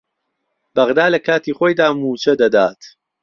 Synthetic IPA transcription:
bɐɣd̪aːlɐkʰaːt̪iːχoːjd̪aːmuːt͡ʃɐd̪ɐd̪aːt̪

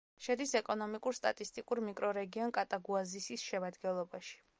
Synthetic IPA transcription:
ʃɛd̪isɛkʼɔnɔmikʼuɾst̪ʼa̰t̪ʼist̪ʼikʼuɾmikʼɾɔɾɛɡiɔnkʼat̪ʼaɡuazisisʃɛmad̪ɡɛlˠɔbaʃi̥

